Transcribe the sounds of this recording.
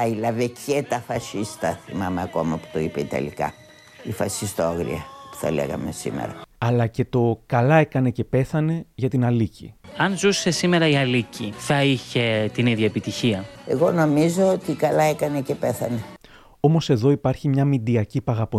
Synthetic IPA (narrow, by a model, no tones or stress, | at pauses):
ɐilɐvecet̪ɐfɐsist̪ɐθḭmɐmeɐko̞̰mɐpu̥t̪o̞ipeit̪ɐ̰lḭkɐ̰ | ifɐsist̪oɐɣɾḭɐpu̥θɐ̰lḛɣɐ̰me̞sḭmḛɾɐɐlɐce̞t̪o̞kɐlɐekɐne̞ce̞pe̞θɐne̞ʝɐt̪inɐlicḭɐnzuse̞sime̞ɾɐiɐliciθɐiçe̞t̪iniðʝɐepit̪içiɐe̞ɣo̞no̞mizo̞ot̪ikɐlɐe̞kɐnecepe̞θɐne̞ | o̞mo̞se̞ðo̞ipɐɾçimɲɐmid̪iɐcipɐɣɐpo